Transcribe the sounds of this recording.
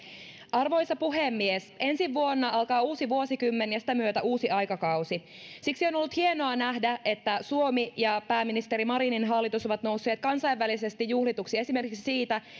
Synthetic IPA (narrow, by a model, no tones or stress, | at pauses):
ɑrʋo̞jsɑpuɦemːiesʔe̞nsiʋːuo̞nːɑɑlkɑːuːsiʋuosikymːenjɑsi̥t̪æmyøt̪æʔuːsiɑjkɑkɑwsi | siksio̞nolːut̪hie̞noɑnæhdæet̪ːæsuo̞mijɑpæːmːinist̪e̞ɾimɑɾininɦɑlːit̪usoʋɑt̪no̞wsːe̞ːt̪̚kɑnsɑjʋːælise̞st̪ijːuhlit̪uksie̞sime̞rkiksi̥siːt̪æ